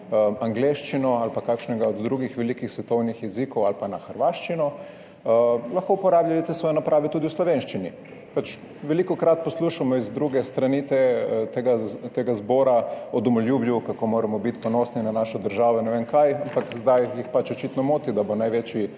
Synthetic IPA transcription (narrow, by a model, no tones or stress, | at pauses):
aŋɡleːʃt͡ʃinɔalpakaːkʃnɛɡaɔd̪ːɾuːɡixʋɛlikixsʋɛt̪ɔwnixjɛziːkɔwalpanaxəɾʋaːʃt͡ʃinɔ | laxkoupɔɾaːbʎʲalit̪esʋɔːjnapɾaːʋɛt̪uːd̪iuslɔʋeːnʃt͡ʃini | pat͡ʃ | ʋɛliːkɔkɾat̪̚pɔsluːʃamɔizd̪ɾuɡɛst̪ɾanit̪ɛt̪eɡat̪eːɡazbɔːɾaɔd̪ɔmɔljuːbljukakomoːɾɛmɔbit̪pɔnɔsninanaːʃɔd̪əɾʒaːʋɔnɛʋenkajampakzd̪ajjixpat͡ʃɔt͡ʃiːt̪nɔmoːt̪id̪abonajʋet͡ʃji